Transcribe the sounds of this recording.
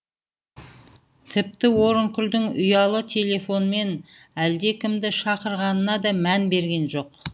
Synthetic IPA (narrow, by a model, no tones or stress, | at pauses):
t̪ʰɪp̚t̪ɪwo̞ɾəŋkʲʰʏld̪ɪŋʊjɑlˠət̪ʰe̞lʲe̞fo̞nme̞n | æld̪e̞kʲʰɪmd̪ɪʃɑqəɾʁɑnənɑd̪ɑmænbe̞ɾɡʲe̞nʒo̞q